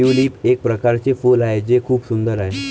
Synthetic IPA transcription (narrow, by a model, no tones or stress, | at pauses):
uliːpek̚pɾəkaɾt͡sefuːlaɦed͡zekʰuːpsund̪əɾaɦe